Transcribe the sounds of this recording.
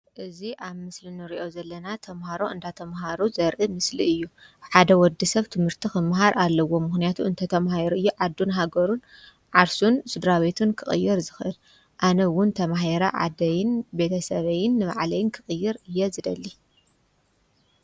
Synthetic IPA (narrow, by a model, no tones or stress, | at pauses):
ʔɨziʔaβmɨslinɨɾiʔo̞zɐlːɐnat̪ʰɐmhaɾo̞ʔɨnd̪at̪ʰɐmɦaɾuzɐɾʔɨmɨsliɨjːuħad̪ɐwɔd̪isɐβt̪ʰɨmhɨɾt̪ʰixɨmːɦaɾʔalːɐwo̞mɨxnijat̪ʰuɨnt̪ʰɐt̪ʰɐmhaeɾuɨjːuʕad̪ːunɦaɡɐɾun | ʕaɾsunsɨd̪ɾaβe̞t̪ʰunkʰɨχʼɨ̰jːɪɾzɨxʔɨl | ʔanɐwʊnt̪ʰɐmaɦeɾɐʕa̰d̪ɐjɪnbe̞t̪ʰɐsɐβɐjɪnːɨβa̰ʕlɐjɪnkʰɨxʼɨjːɪɾɨjːɛzɨd̪ɐlːi